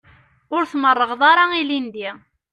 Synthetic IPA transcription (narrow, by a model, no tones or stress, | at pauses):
ʊɾθmərˤːəʁðˤaɾˤɑilind̪i